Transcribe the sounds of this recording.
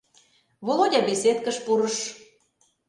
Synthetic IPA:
βolˠodʲɑbeset̪kə̆ʃpuɾə̆ʃ

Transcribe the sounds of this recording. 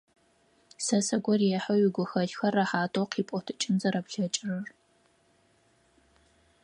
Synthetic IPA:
sɐsɐɡʷɔrjɛħɐwɥɪɡʷʊxɐɬxɐrɐħaːtʼoːqʰiːpʷʼɔtʰɨ̥t͡ʃʼɪnzɐɾɐpɬɐt͡ʃʼɪrɐr

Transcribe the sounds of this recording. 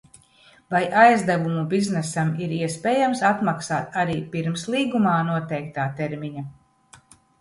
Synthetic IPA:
vajʔajzd̪avumubiznɛsamiɾiɛspeːjamsat̪maksaːt̪aɾiːpiɾmslˠiːɡumaːnuɔt̪ɛjkt̪aːt̪ɛɾmiɲa

